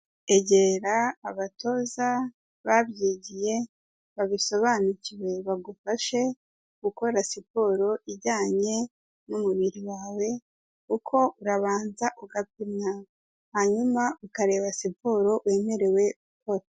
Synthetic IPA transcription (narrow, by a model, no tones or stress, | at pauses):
e̞ɟe̞ɾaːβatʰo̞za | βabɟiːɟije̞ | βaβiso̞βanuciwe̞βaɡufaʃe̞ | ɡ̥uko̞ɾasipo̞ɾo̞ʔiɟaːɲe̞ | numuβiɾiwaːwe̞ | kukʰo̞uɾaβaːnzaʔuɡapina | haɲumaukaɾe̞βasipoɾo̞we̞ːme̞ɾe̞we̞uko̞ɾa